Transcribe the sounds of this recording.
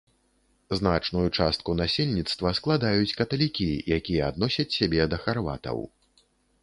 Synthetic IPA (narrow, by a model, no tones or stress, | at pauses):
znat͡ʂnujut͡ʂast̪̚kunasʲelʲnʲit̪st̪vɐsklˠad̪ajut͡sʲkɐt̪ɐlʲikʲijakʲijɛad̪nɔsʲɐt͡sʲsʲabʲɛd̪ɐxarva̰t̪ɐ̰w